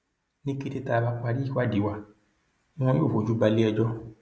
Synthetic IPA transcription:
nĩ˦ki˦˧ti˦ta˧˨ba˧k͡pa˧di˦˨wa˦˨di˨wã˧˦ | ɔ̃˦o˦˨o˨d͡ʒu˦ɡ͡ba˧li˦ɛ˧d͡ʒɔ˦

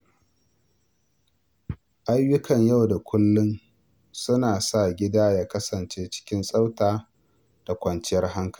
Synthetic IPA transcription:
ʔa˦jːʊ˦kʰɐ˨ɲja˦˨wda˨kʷʊ˦lːʊ˦n | sʊ˦naː˨sa˦˨ɡʲɪ˦daː˦jaː˦kɐ˦sɐ˨nt͡ʃeː˦t͡ʃɪ̥˦kʲɪ˦nsʼa˦wtaː˦ | d̥a˨kʷɐ˨nt͡ʃɪ˦jɐ˦rɦa˦ŋkɐ̥˨i˦

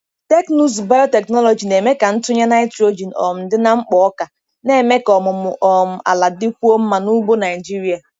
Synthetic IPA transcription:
te˦knu˦s̬ba˦ɔ˦te˨knɔ˦lɔ˨d͡ʒi˨ne˨me˦ka˨n̩˦tʊ˦ɲa˦na˦ɪ˦tɾo˦d͡ʒi˨nɔ̰˨m̩˨dɪ˦na˦ŋ͡m̩˦k͡pɔ˨ɔ˦ka˨ | ne˨me˦kɔ˨mʊ˨mʊ˨ʔɔ˨m̩˨a̰˨la˨dɪ˦kʷu˦o˦m̩˦ma˨nu˦ɡ͡bo˦na˨ɪ˨d͡ʒi˦ɾi˦a˨

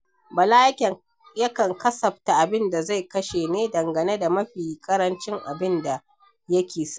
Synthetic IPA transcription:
bɐ˨laː˦jɐ˦kʲɛ˨ | jɐ˦kɐ˨ŋkɐ˦sɐ˨ɸ̚ta˨ʔa˨bɪ˦nda˨za˦˨jkɐ˦ʃeː˨neː˦dɐ˨ŋɡɐ˨ne˦da˨mɐ˦ɸiː˨kʼɐ˦ɾɐ˦nt͡ʃɪ˦ŋʔa˨bɪ˦nda˨ | jɐ˦kʲeː˨sa˦

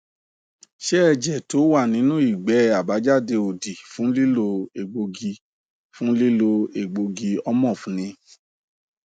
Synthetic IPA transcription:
ʃɛ˦ɛ˦˨d͡ʒɛ˨to˨˦wa˦˨nĩ˨˦nũ˦i˦˨ɡ͡bɛ˨˦a˨ba˨˦d͡ʒa˦˨de˧o˨di˨fũ˨˦li˦lo˧e˨ɡ͡bo˧ɡi˧ | fũ˦li˦lo˧e˨ɡ͡bo˧ɡi˧ɔ˦mɔ̃˦˨fũ˨˦nĩ˧

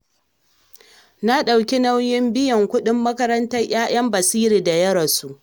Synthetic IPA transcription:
na˦ɗa˨wkʲi˦na˦wjɪ˦mbɪ˦jɐ˨ŋkʷʊ˦ɗɪ˦mːɐ˦kɐ˦ɾɐ˦ntɐ˦rj̰ʲaː˦j̰ɐ˦mbɐ˨siː˦ɾi˨da˨jɐ˦ɾɐ˨su˦˨ʔ

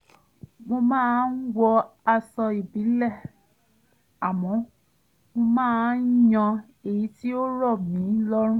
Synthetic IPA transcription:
mo˧mãː˦˧˦n̩˦wɔ˧a˧sɔ˧i˨bi˨˦lɛ˦˨ | a˨mɔ̃˨˦ | mo˧mãː˦˧˨jɔ̃˧ | e˨ji˨˦ti˦o˦ɾɔ˦˨mĩ˨˦lɔ˦ɾ̃ũ˦

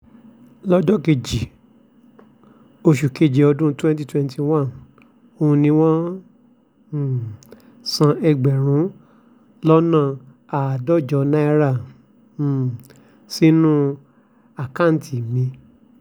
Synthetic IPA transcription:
lɔ˦d͡ʒɔ˦ke˨d͡ʒi˨ | o˧ʃu˨ke˧˨d͡ʒe˨ɔ˧dũ˦twɛ̃˦n˦t̬i˧twɛ̃˦nti˧wã˦˨n | õ˧nĩ˧w̃ɔ̃˦˨ | sã˧ʔɛ˧ɡ͡bɛ˨ɾ̃ũ˨˦ | lɔ˦nã˦˨ | a˨dɔ˦˨d͡ʒɔ˨˧nã˦i˧ɾa˦˨ | si˦nũ˦ | a˨kã˦˨n̩˨ti˨mĩ˨˧˦

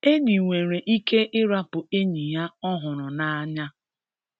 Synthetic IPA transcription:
e˦ɲi˨ŋʷe˨ɾe˨ʔi˦kʰe˦ʔɪ˦ɾa˦pʊ˨e˦ɲi˨ja˦ɔ˦ɦʊ˨ɾʊ˨na˨˦a˦ɲa˦

